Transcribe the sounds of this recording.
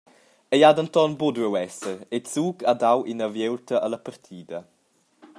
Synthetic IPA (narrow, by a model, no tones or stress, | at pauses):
ejadənt̪ɔnbudɾɛwɛsəɾet͡suːɡadawʔinəvjewltʰəʔələpəɾtʰiːdə